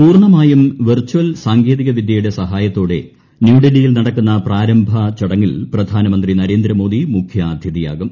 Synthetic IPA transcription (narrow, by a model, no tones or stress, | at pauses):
puːrɳɐmaːjumʋirt͡ɕːuʋɐlsaːŋɡeːðiɣɐʋid̪jɐjuɽe̞sɐɦaːjɐt̪ːo̞ːɽe̞ | njuːɖilijilnɐɽɐkːunːɐpraːɾɐmbʱɐt͡ɕɐɽɐŋːilprɐd̪ʱaːnɐmɐnd̪rinɐɾe̞ːnd̪ɾɐmo̞ːd̪imukʰjaːd̪ʱjiðija̰ːɡɐm